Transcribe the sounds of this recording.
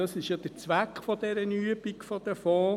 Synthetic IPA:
ɑsɪʃjɑd̥̪ət͡sʋækχfɔd̥̪ɛɾənyəbikfɔd̥̪əfɔː

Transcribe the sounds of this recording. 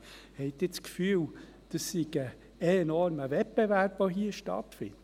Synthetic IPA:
hɛɪtɪt͡skfyːl | d̥ɑsːiɡ̥ə | enɔrməvɛpb̥evæɾpvoɦiːəʃtɑ̰tfɪ̰nd

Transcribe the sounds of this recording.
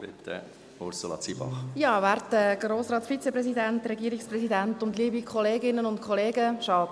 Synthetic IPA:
pɪ̰t̪ə̰ | ʊɾsolɑ̰t͡sibɑ̰χjɑːvæːɾtːəɡroːsɾɑːtfit͡sepɾɛsidɛntɾɛɡiəɾikspɾɛsidæntʊntliːbikʰχɔleːɡɪnːənʊntkʰɔleːɡəʃɑː

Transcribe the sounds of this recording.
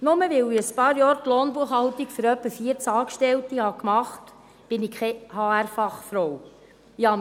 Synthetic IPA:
nʊməʋɪwiəspɑːɾjɑːɾt̪lɔːnbuəχhɑlt̪ikfɵɾœpːəfiəɾt͡sɑːkʃtɛlt̪ihɑkmɑχt | b̥ɪnikχɛhɑːæɾfɑχfɾow | ihɑm

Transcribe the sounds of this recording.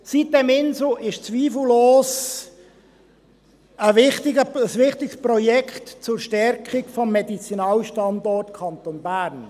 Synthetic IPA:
sit̚dɛmɪnslʊʔɪʃt͡sʋiːfl̩loːs | əvɪχtɪɡəəsʋɪχtɪksprɔjɛkʰχtt͡sʊɾʃtɛrkχɪkfɔmːɛdit͡sinɑːlʃtɑndɔrtkʰɑnt̪onbæːrn

